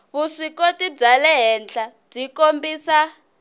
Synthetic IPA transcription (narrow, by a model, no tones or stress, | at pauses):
βusikotid͡zalɛɦɛnd͡ɮa | b͡ʐikombiːsa